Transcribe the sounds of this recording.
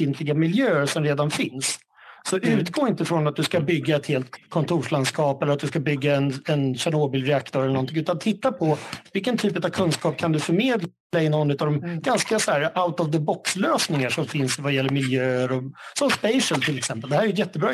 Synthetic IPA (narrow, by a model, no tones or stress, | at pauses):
ɪnt̪ʰlɪɡamɪljøːəʂɔmɾeːd̪anfɪnsː | ɔʔʉ̟ːt̪ɡoːɾɪnt̪əfɾɔnat̪̚d̪ɵskabʏɡːaɛt̪heːlt̪kʰɔnt̪ʰuːʂlanskɑːpɛlːɾat̪̚d̪ɵskabʏɡːaɛnɛnɕanoːbɪlɾɛak̚t̪ʰɔɾɛləɳɔnt̪ʰɪŋʉ̟ːt̪ant̪ʰɪt̪ːapʰɔvɪlkənt̪ʰyːpət̪avkʰɵnskɑːp̚kʰand̪ɵfœɾmeːd̪ | aɪnɔnːʉ̟t̪avd̪ɔmɡ̥anskasɔæːɾaʊt̪ɔvd̪əbɔksløːsnɪŋaʂɔmfɪnsvajɛlːəɾmɪljøːəɾɔsɔmspɛɪʂəlt̪ʰɪlɛksɛmpəld̪ɛhæːɾɛjjɛt̪ːəbɾɑː